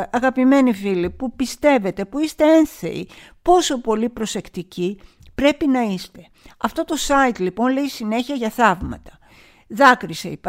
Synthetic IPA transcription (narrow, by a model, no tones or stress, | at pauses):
ɐɣɐpime̞nifilipupist̪e̞ve̞t̪e̞puist̪e̞enθḛi | po̞so̞po̞lipɾo̞se̞kt̪ici | pɾe̞pinɐist̪e̞̥ | ɐft̪o̞t̪o̞sɐit̪lipo̞nle̞isine̞çiɐʝɐθɐvmɐ̰t̪ɐ̥ | ðɐkɾisḛip